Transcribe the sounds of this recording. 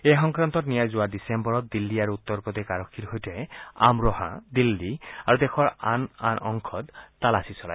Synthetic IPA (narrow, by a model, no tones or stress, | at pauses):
ejɦɔŋkɹant̪ɔtnijajzʊwadisembɔɹɔt̪̚d̪ilːiaɹuut̪ːɔɹpɔt̪ɛkaɹɔkʰːiɾhojtɛa̰mɹɔhã̰d̪ilːiaɹud̪ɛxʰɔɹa̰na̰nɔŋkʰɔd̪t̪alasisɔla̰j